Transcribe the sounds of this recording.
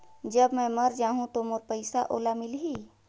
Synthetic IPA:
d͡ʒəbmə̃məɾd͡ʒaːɦũt̪omʊɾpəɪsaʔo̰ːlamɪlɦi

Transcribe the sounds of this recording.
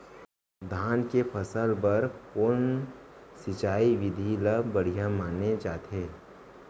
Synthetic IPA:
d̪ʱaːnkepʰəsəlbɐɾpʊn | sɪt͡ʃaːiʋɪd̪ʱiləbəɽ̤ijamaːned͡ʒaːt̪eː

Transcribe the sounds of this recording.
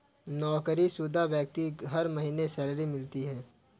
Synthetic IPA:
nɔːkəɾisuːd̪ʱaʋjək̚t̪iɦɐɾmɐɦiːnesɛːlɾimɪlt̪iɦɛ̃ː

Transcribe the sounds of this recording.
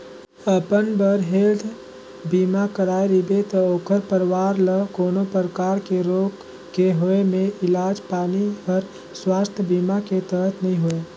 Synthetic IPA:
əpənbəɾɦeːld̪ | biːmakəɾaːeɾibet̪ɔoːkʰəɾpəɾwaːɾləkoːnopəɾəkaːɾkeɾoːɡ | keɦoemẽʔɪlaːd͡ʒpaːnipəɾ | swaːst̪ʰjəbiːmaket̪əɾət̪ʰnəɦĩɦoeː

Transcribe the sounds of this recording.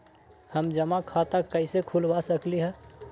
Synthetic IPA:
həmd͡ʒəmakʰat̪akəɪsekʰulʋasəkliɦɛ

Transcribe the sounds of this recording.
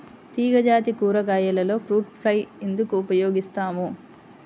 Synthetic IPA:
t̪iːɡɐd͡ʒaːt̪ikuːɾɐɡaːjɐlɐlo̞ːpʰɾuːʈ̚pʰlɐjend̪ukuːpɐjoːɡist̪aːmu

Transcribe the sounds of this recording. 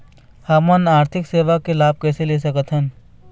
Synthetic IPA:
hamənaːɾt̪ʰɪkseːʋakelaːb̚kɛːselesɐkət̪ʰɦən

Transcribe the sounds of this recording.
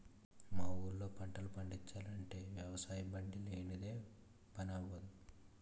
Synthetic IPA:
maːuːɾlo̞ːpɐɳʈɐlupɐɳɖit͡ʃːaːlɐɳʈe̞ːʋjɐʋɐsaːjɐbɐɳɖileːnid̪e̞ː | pɐnaːbod̪u

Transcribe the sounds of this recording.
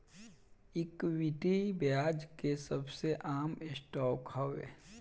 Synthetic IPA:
ɪkwiʈibjaːd͡ʒkesɐbseʔaːmɪsʈɔːkhoʋḛ

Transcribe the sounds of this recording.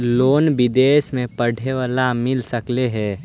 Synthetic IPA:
loːnbɪd̪eːsmẽpəɽ̤ʱeʋalamɪlsəkleɦɛː

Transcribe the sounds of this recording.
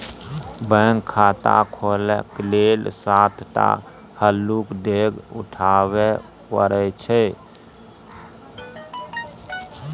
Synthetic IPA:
bəŋkʰːaːt̪a̰kʰoːlekleːlsaːt̪ʰʈa̰ | həlːukɖeːɡʊ̰ʈʰaːwe | pəɾɛt͡ʃʰɛ

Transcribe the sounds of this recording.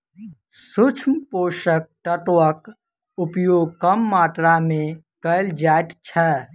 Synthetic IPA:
sʊt͡ʃʰmpoːʃək̚ʈəʈək | ʊpjoːɡ̚kəmːaːʈɾamẽ | kəld͡ʒaːʈt͡ʃʰɛ

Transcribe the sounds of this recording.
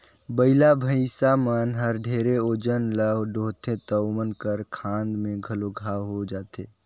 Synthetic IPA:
bəɪlabʱəɪsamənɦəɾɖʱeːɾeoːd͡ʒənləɖʱoːt̪ẽt̪əʊmənkəɾkʰãːnd̪mẽɡʱəloɡʱaɦod͡ʒaːt̪eː

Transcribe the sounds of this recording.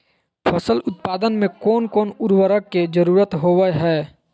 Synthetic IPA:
pʰəsəlʊt̪̚paːd̪ənmẽkɔːnkɔːnʊɾwəɾəkːed͡ʒəɾuːɾət̪ɦoːwəɦɛː

